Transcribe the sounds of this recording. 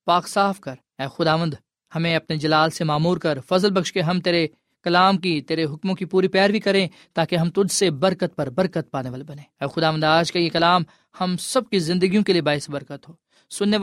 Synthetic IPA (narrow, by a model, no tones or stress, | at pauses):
paːksaːfkɐɾ | ɛːxʊd̪aːʋə̃nd̪ | hɐmẽɐpned͡ʒɐlaːlsemaːmuːɾkɐɾfɐzəlbɐkʃkeɦɐ̃mt̪eːɾe | kɐlaːmkit̪eːɾeɦʊkmõkipuːɾipɛːɾbikɐɾẽ | t̪aːkeɦɐmt̪ʊd͡ʒsebɐɾkət̪̚pɐɾbɐɾkət̪̚paːneʋaːlebɐnẽːɛːxʊd̪aːʋənd̪aːd͡ʒkajekɐlaːm | hɐmsɐb̚kizɪ̃nd̪əɡijõkeliebaːɦɪsbɐɾkət̪ɦoː | sʊnːe